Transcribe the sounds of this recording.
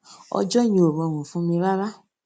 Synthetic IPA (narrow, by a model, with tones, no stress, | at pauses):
ɔ̰˧d͡ʒɔ˦˨j̃ĩ˧o˨ɾɔ̃˨˧˨w̃ũ˨fũ˨˦mĩ˧ɾa˦ɾa˦